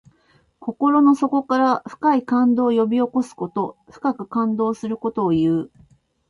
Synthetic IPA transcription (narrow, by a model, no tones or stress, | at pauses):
ko̞ko̞ɾo̞no̞so̞ko̞kaɾaɸɯ̟̥kaikãnd̪o̞ːjo̞bʲio̞ko̞sɨ̥ko̞t̪o̞ɸɯ̟̥kakɯ̟kãnd̪o̞ːsɨɾɯ̟ko̞t̪o̞ːjɯ̟ː